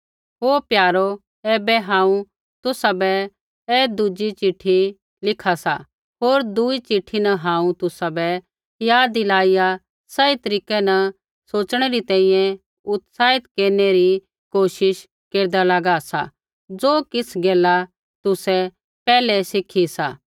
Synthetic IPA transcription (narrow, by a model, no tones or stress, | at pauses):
ɦoːpjaːɾo | ɛːbɛɦãːũ | t̪ʊsabɛ | ɛːd̪ʊd͡ʒit͡ʃɪʈʰi | lɪkʰasa | ɦoːɾd̪ʊit͡ʃɪʈʰinɐɦãːũt̪ʊsabɛ | jaːd̪ilaːija | sɐit̪ɐɾiːkɛnɐ | soːt͡ʃɽ̃eɾit̪ɛ̃ːĩjɛ̃ | ʊt̪saːɪt̪keːɾneɾi | koːʃɪʃ | keːɾd̪alɐɡasa̰ | d͡zoːkɪsɡɛːla | t̪ʊsɛ | pɛːlɛsɪkʰisaː